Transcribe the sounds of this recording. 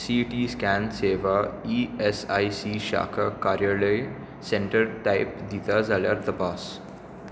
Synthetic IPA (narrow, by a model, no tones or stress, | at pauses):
siːʈiːskæ̃ːnseːʋaiesaisiʃa̰ːkʰakaːɾjaːləj | sẽɳʈəɾʈaɪpd̪it̪azaːlja̰ɾt̪ɐpaːs